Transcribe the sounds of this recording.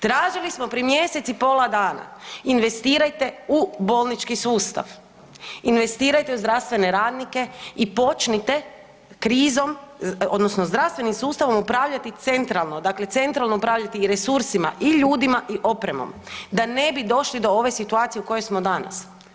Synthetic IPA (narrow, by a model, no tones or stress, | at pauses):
t̪ɾaːʒilismo̞pɾiemje̞ːse̞t̪sipo̞ːlˠad̪aːna̰inʋe̞st̪iːɾajt̪e̞ubo̞lˠnit͡ʃkisuːst̪a̰ʋ | inʋe̞st̪iːɾajt̪e̞uzd̪ɾaʋst̪ʋe̞neɾaːd̪nike̞ipo̞t͡ʃnit̪e̞ | kɾiːzo̞mo̞d̪nosnozd̪ɾast̪ʋe̞nimsuːst̪aʋo̞mupɾaːʋʎat̪it̪se̞nt̪ɾalˠno̞d̪akle̞t̪se̞nt̪ɾalˠnoupɾaːʋʎat̪iːɾe̞suɾsima̰ʔiʎuːd̪imaʔiʔo̞pɾe̞mo̞̰md̪ane̞bid̪o̞ʃlid̪o̞o̞ʋe̞sit̪uaːt̪ijuko̞jojsmo̞d̪ana̰s